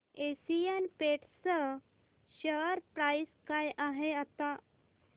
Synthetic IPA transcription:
esijenpeʈsə | ɕəɾpɾaiskajʔaɦeat̪a

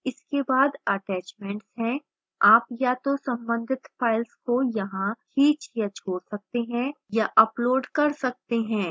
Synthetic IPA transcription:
ɪskebaːd̪ɐʈɛːt͡ʃmɛ̃ːɳʈsɦɛ̃ | aːpjat̪osɐ̃mbə̃nd̪ʱɪt̪fʰaːɪlskojɐɦãhʰiːt͡ʃjat͡ʃʰoːɾsɐk̚t̪eɦɛ̃ | jaʔɐploːɾɖkɐɾsɐk̚t̪eɦɛ̃ː

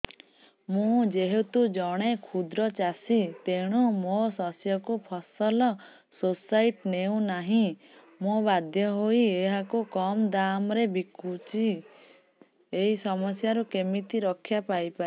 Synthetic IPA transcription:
mũd͡ʒeɦet̪ud͡ʒɔɽ̃ekʰud̪ɾɔt͡ʃasit̪eɽ̃umosɔsjɔkupʰɔsɔlɔ | sosajʈneũnaɦĩ | mobad̪ʱjɔɦoieɦakukɔmd̪amɾebikut͡ʃi | eɦisɔmɔsjaɾukemit̪iɾɔkʰːjapajpai

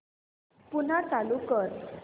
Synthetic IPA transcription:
pun̤at͡salukəɾ

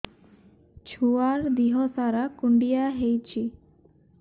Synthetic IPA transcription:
t͡ʃʰuaɾd̪iɦɔsaɾakuɳɖijaɦejt͡ʃʰi

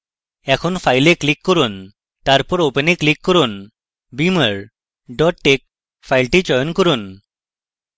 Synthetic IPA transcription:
ɛkʰonpʰajleklikːɔɾun | t̪aɾpɔɾopeneklikːɔɾun | biməɾ | ɖɔʈːek̚ | fʰajlʈit͡ʃɔjɔnkɔɾun

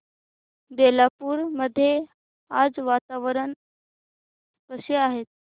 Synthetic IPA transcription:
d̪elapuːɾməd̪ʱːje | ad͡zʋat̪aʋəɾən | kəsjeaɦet̪̚

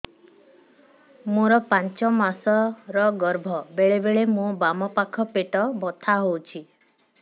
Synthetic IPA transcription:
moɾɔpant͡ʃɔmasɔɾɔɡɔɾbʱɔbeɭebeɭemõbamɔpakʰɔpeʈɔbɔt̪ʰaɦowt͡ʃʰi

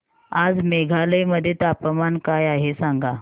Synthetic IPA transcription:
ad͡zmeɡʱaləjməd̪ʱjet̪apəmankajaɦesãŋɡa

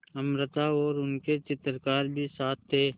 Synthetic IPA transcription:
əmɾət̪aɔːɾʊnket͡ʃɪt̪ɾkaːɾbʱisaːt̪ʰːeː

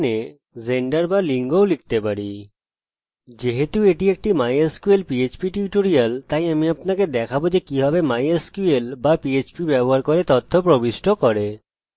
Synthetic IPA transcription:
ne | zeɳɖaɾbaliŋɡowlik̚t̪epaɾi | d͡ʑeɦet̪ueʈiek̚ʈimajeskuelpiet͡ɕpiʈuɾiʈoɾijalt̪ajamiapnaked̪ɛkʰabod͡ʑekibʱɔbemajeskuelbapiet͡ɕpibɛboɦaɾkoɾet̪ɔt̪ʰːopɾobiʃʈʰokɔɾe

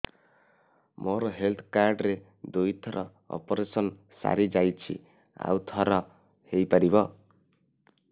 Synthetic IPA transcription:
mɔɾɔɦelt̪ʰkaɾɖɾe | d̪ujt̪ʰɔɾɔ | ɔ̰pɔɾesɔn | sa̰ɾid͡ʒajt͡ʃʰḭ | a̰wt̪ʰɔɾɔ | hejpaɾibɔ

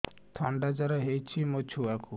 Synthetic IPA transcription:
t̪ʰɔɳɖad͡ʒaɾɔɦejt͡ʃʰimot͡ʃʰuaku

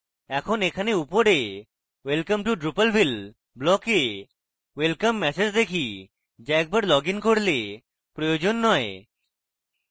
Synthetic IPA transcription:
ɛkʰonekʰaneupoɽe | welkəmʈuɖɾupəlbʱil | blɔke | welkəmːɛsed͡ʒd̪ekʰi | d͡ʒɛk̚bəɖlɔɡinkoɽle | pɾojod͡ʒonːɔe

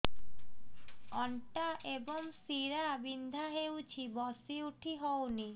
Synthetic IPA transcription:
ɔɳʈaʔebɔŋsiɾabind̪ʱaɦewt͡ɕʰibɔsiuʈʰiɦowni

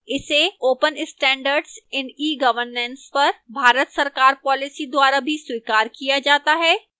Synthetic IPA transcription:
ɪseoːpənɪsʈɛ̃ːɳɖəɾɖsɪ̃nɖiːɡɐʋəɾnɛ̃nspɐɾbʱaːɾət̪sɐɾkaːɾpɔːlɪsid̪waːɾabʱiswiːkaːɾkijad͡ʒaːt̪aɦɛː

